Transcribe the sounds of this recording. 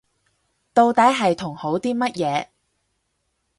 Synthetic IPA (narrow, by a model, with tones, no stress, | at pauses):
t̪o˧wt̪ɐ˨˥jɦɐ˨jt̪ʰʊ˨˩ŋho˨˥wt̪iː˥mɐ˥t̚jɛː˨˧